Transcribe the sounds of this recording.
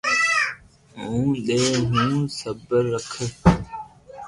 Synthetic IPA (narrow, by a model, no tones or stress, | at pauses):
ũːɗeːɦũːsəbəɾːəkʰə